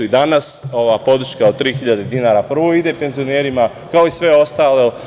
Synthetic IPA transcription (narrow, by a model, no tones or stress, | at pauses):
id̪anaso̞ʋaːpo̞d̪ɾ̩ʃkaod̪̚t̪ːɾiːxiʎad̪e̞d̪inaɾapr̩ʋo̞id̪e̞pe̞nzioneːɾima | kao̞isʋe̞o̞st̪aːle